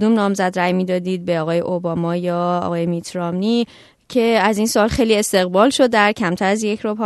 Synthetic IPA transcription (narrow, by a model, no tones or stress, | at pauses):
d̪umnɒːmzæd̪ɾæjmiːd̪ɒːd̪iːd̪̚be̞ɒːɣɒːje̞ʔobɒmɒːjɒːɒ̰ɣɒːjemit̪ʰɾɒmni | cʰe̞æzinsoɒːlxe̞jlie̞st̪e̞ɣbɒːlʃo̞d̪ːæɾcʰæmt̪ʰæɾæzjecʰɾobʰɒ